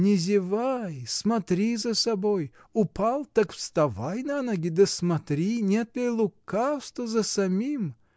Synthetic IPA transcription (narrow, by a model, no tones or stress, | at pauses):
nʲɪzʲɪvajsmɐt̪ɾʲizəsɐboj | ʊpʰalˠt̪akfst̪ɐvajnanoɡʲɪd̪əsmɐt̪ɾʲinʲet̪lʲɪlˠʊkafst̪vəzəsɐmʲim